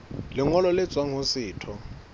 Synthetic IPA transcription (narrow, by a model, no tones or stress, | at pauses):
lɪŋɔlɔlɪt͡sʼwaŋ̩ɦʊsɪːtʰɔ